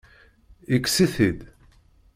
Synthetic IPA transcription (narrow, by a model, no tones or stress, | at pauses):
ikːsiθid̪